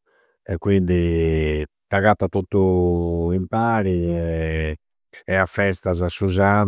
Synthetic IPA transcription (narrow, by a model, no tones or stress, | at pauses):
ɛkːwind̪i | t̪aɣat̪ːat̪ot̪ːuimpaːɾiɛ | ɛafːɛst̪azasuzan